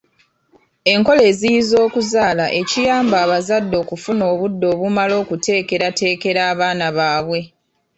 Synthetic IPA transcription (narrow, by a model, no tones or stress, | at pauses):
e̞ŋko̞le̞ːzijizo̞ːkuzaːlaʔecijaːmbaːβazadːo̞ːkufuno̞ːβudːo̞ːβumalo̞ːkute̞ːke̞ɾate̞ːke̞ɾaːβaːnaβaːβwe̞